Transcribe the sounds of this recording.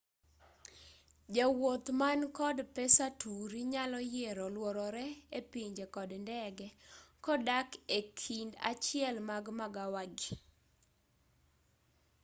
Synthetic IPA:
d͡ʒawot̪mankɔdpɛsatuɾiɲalɔjeɾɔlwɔɾɔɾɛepiɲd͡ʒekɔdndɛɡɛkɔdakekʰinda̰t͡ʃɪɛlmaɡmaɡawaɡi

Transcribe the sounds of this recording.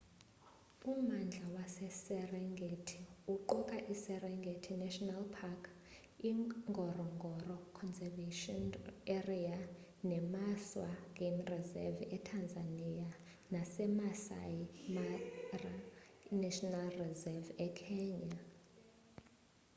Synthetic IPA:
umand͡ɮʱawasɛsɛrɛŋɡʱetʰiuǃɔkʼaʔisɛrɛŋɡʱetʰinɛʃɔnalpʰakʰ | iŋɡʱɔrɔŋɡʱɔrɔkʰɔnzɛveʃɔnɛria | nɛmaswak̬ʼinrizɛ̰vɛtʰand͡zʱanija | nasɛmasa̰jimara | nɛʃɔnalrizɛvɛkʰɛːɲa

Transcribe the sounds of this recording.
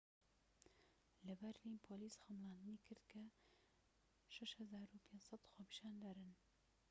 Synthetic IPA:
lɐbɐɾlinpʰolisxɐmlˠɑːnd̪ɨniːkʰɨɾd̪kʰɐ | ʃɛʃhɐzaːɾupʰeːnsɑd̪xoːpʰi̥ʃaːnd̪aɾɨn

